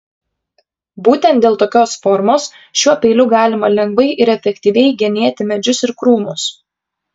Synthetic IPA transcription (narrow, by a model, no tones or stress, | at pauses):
buːt̪ʲɛnt̪̚d̪ʲeːlˠt̪oːkʲoːsfɔɾmoːs | ʃʲuɔpʲɛɪlʲʊɡɑːlʲɪmɐlʲɛŋɡʋɐɪʔɪɾɛfʲɛkʲt̪ʲiːʋʲɛɪɡʲɛnʲeɛt̪ʲɪmʲɛd͡ʒʲʊsɪɾkɾuːmʊs